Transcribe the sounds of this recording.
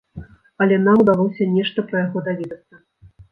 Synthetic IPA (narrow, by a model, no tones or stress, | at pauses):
ɐlʲɛnamd̪alˠɔwsʲɐnʲɛʂt̪ɐpɾɐjaɣɔd̪avʲɛd̪ɐt̪sːɐ